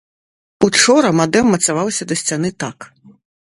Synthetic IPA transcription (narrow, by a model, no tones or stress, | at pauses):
ut͡ʂɔɾɐmad̪ɛmːɐt̪savawsʲɐd̪ɐsʲt͡sʲan̪ɨt̪ak